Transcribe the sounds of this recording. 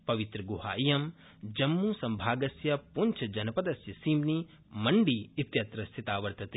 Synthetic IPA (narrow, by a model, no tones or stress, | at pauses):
pɐʋit̪ɾɐɡuha̰ːʔijɐm | d͡ʒɐmːusɐmbʱaːɡɐsjɐpunt͡ʃʰɐd͡ʒɐnɐpɐd̪ɐsjɐsiːmni | mɐɳɖiit̪jɐt̪ɾɐst̪ʰit̪aːʋɐɾt̪ɐt̪i